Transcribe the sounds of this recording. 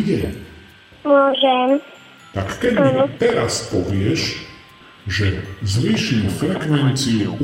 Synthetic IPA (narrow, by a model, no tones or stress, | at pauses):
ɟɛ | mʊɔʒɛm | t̪akkɛd̪ainɔt̪ɛɾaspɔʋɪɛʃ | ʒɛzʋiːʃimfɾɛkʋɛnt͡siɛʔ